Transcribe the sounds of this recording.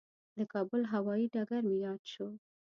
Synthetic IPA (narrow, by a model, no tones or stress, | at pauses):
d̪əkɑbʊlɦawɑjiɖaɡaɾmejɑd̪ʃo